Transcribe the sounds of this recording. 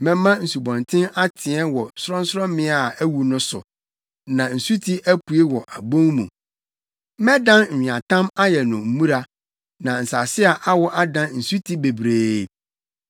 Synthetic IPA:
mɛ̃˨mã˦n̩˨su˨bɔ̃˨ntʰɪ̃˦na˦tʰɪ˨ɛ˦wɔ˨sɾɔ̃˦n̩˦sɾɔ̃˦mɪ̃˦a˨æ˦wu˨nʊ̃˦sʊ̰˨ | nã˨n̩˨su˦tʰi˦ʔæ˦pu˨e˦wɔ˨ʔa˨bõ˦ŋmṵ̃˨ | mɛ̃˦dã˦nm̩˨ĩ˨ã˨tʰã˦ma˦jɛ˨nʊ̃˨m̩˨˦mũ˦ɾa˦ | nã˨n̩˨sa˨sɪ˦a˨ʔa˦wɔ˦ʔa˦dã˦nn̩˨su˦tʰi˦be˨bɾeː˦˨

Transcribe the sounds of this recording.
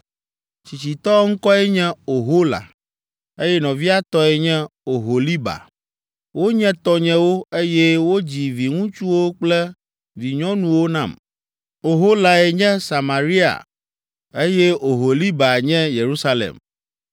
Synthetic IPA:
t͡ɕi˨t͡ɕi˨t̪ɔ˦ŋ̩˦kɔ˦ɛ˦ɲɛ̃˦o˨ɦo˦la̰˨ | e˦jɛ˦nɔ̃˨vi˦a˦t̪ɔ˦e˨ɲɛ̃˦o˨ɦo˨li˦ba̰˨ | wo˦ɲɛ̃˦t̪ɔ˦ɲɛ̃˦wo˦e˦jɛ˦wo˦d͡ʑi˨vi˨ŋũ˦t͡ʃu˦wo˦k͡plɛ˦ | vi˨ɲɔ̃˦nũ˨wo˦nã˨m | o˨ɦo˦la˨e˨ɲɛ̃˦sa˨ma˨ɾi˦a̰˨ | e˦jɛ˦o˨ɦo˨li˦ba˨ɲɛ̃˦je˨ɾu˦sa˦lḛ˨m

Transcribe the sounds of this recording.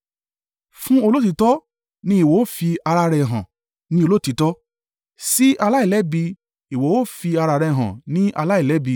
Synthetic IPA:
fũ˦o˧lo˦t̬i˧˦tɔ˦ | nĩ˦i˨wo˨o˦fi˧a˧ɾa˧ɾɛ˧˨ɦã̰˨ | nĩ˦o˧lo˦˨ti˨˦tɔ˦ | si˦ʔa˧la˦i˦˨lɛ˨˦bi˧ | i˨wo˨o˦fi˧a˧ɾa˧ɾɛ˧ɦã̰˨nĩ˦ʔa̰˧la˦i˦˨lɛ˨˦bi˧

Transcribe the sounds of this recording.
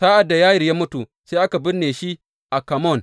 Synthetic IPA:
saː˦ʔa˨dːa˨jaː˦jɪ˨jaː˦mʊ˦tu˨ | se˦ʔa˦ka˨bɪ˦nneː˨ʃi˦ | ʔa˨ka˨mɔ˦˨n

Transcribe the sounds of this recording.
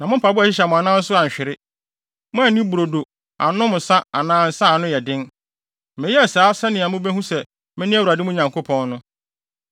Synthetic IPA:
nã˨mʊ̃˦m̩pa˨bʊ˦a˨ɕɪ˦ɕ̬ɛ˨mʊ̃˨a˨nãː˦n̩˦sʊ˦a˨ɲ̩˨ɕᶣɪ˨ɾɪ˦ | mʊ̃˦ɛ˨nĩ˦bu˨ɾo˨do˨ | a̰˨nʊ̃˦mʊ̃˨sa˦a˨nãː˦n̩˨sa˦˨nʊ̃˦jɛ˨dɪ̃˦n˨ | mɪ̃˨jɛ˦ɛ˨saː˨˦sɛ˦nɪ̃˨a˨mʊ̃˦be˦hũ˦sɛ˨ | mɪ̃˦nɪ̃˦æ˦wu˨ɾa˨dɪ˦mʊ̃˦˨ɲã˨ŋkʰo˦pʰɔ̃˦nnʊ̃˦

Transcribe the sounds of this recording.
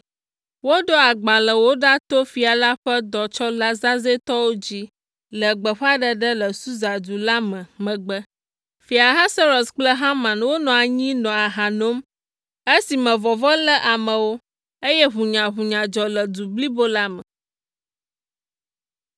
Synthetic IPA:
wo˦ɖɔ˦a˨ɡ͡ba˨lə˨wo˦ɖa˦t̪o˦fi˨a˨la˦ɸə˦d̪ɔ˨t͡ʃɔ˦la˦zã˦ze˦t̪ɔ˦wo˦d͡ʑi˦ | lə˨ɡ͡bə˨ɸa˦ɖə˦ɖə˦lə˨su˦za˨d̪u˨la˦mə̃˨mə̃˨ɡ͡bə˦ | fi˨a˨ɦa˦sɛ˦ɾɔ˨sk͡plə˦ɦã˦mã˨nwo˦nɔ̃˨a˨ɲĩ˦nɔ̃˨a˨ɦa˨no˦m | e˦si˨mə̃˨vɔ˨vɔ˦lə˦ʔa˨mə̃˨wo˦ | e˦jɛ˦ɦu˨ɲã˨ɦu˨ɲã˨d͡ʒɔ˨lə˨d̪u˨bli˦bo˦la˦mə˨

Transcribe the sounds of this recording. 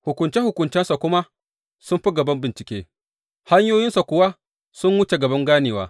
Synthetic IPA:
hʊ˨kʷʊ˨nt͡ʃɛ˦hʊ˨kʷʊ˨nt͡ʃɛ˦nsa˨kʷʊ˦ma˦ | sʊ˦mɸi˦ɡɐ˨bɐ˦mbɪ˨nt͡ʃɪ˨kʲeː˦ | ha˦ɲjoː˦jɪ˦nsa˨kʷʊ˦wa˦ | sʊ˦mwʊ˦t͡ʃe˨ɡɐ˨bɐ˦ŋɡaː˦neː˨wa̰ː˦

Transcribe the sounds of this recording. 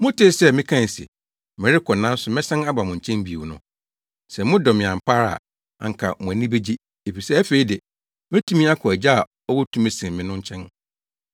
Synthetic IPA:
mʊ̃˦tʰɪ˦sɛ˦mɪ̃˦kʰã˦˨n˨sɪ̰˨ | mɪ̃˨ɾɪ˦kʰɔ˨nã˦n˦sʊ˨mɪ̃˦sã˦na˦ba˨mʊ̃˨ɲ̩˨t͡ɕʰɛ̃˦mbi˨u˨nʊ̰̃˦ | sɛ˨mʊ̃˦dɔ˨mɪ̃˨ã˨m̩˨pʰa˦ɾa̰˨ | a̰˨ŋ̩˨kʰa̰˨mʊ̃˨æ˨nĩ˦be˦d͡ʑi˦ | e˨fi˨sɛ˦æ˦fe˨i˦dɪ˨ | mɛ̃˦tʰũ˦mĩ˦a˦kʰɔ˨æ˨d͡ʑa˦a˨ | ɔ˦wɔ˦tʰũ˦mɛ˨sĩ˨mɪ̃˨nʊ̃˦ɲ̩˦t͡ɕʰɛ̃˦n

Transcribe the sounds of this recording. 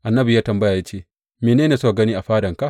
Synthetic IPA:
ʔa˨nːɐ˦bu˨jaː˦tɐ˨mbɐ˦jaː˨ja˦t͡ʃeː˦˨ | meː˨neː˦neː˨so˦˨ɡɐ˦niː˦ʔa˨ɸaː˦dɐ˨ŋka˦ʔ

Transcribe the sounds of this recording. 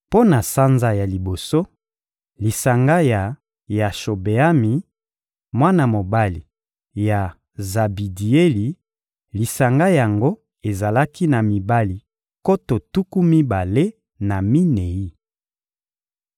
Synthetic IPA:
po˦na˨sa˦nza˨ja˨li˨bo˨so˦ | li˨sa˨ŋɡa˦ja˨ | ja˨ʃo˨be˨a˦mi˨ | mwa˦na˦˨mo˨ba˦li˨ | ja˨ | za˨bi˨di˨e˦li˨ | li˨sa˨ŋɡa˦ja˨ŋɡo˦ | e˨za˨la˦ki˦na˨mi˨ba˦li˨ | ko˦to˨tu˦ku˦mi˦ba˨le˦ | na˨mi˦ne˨i˦

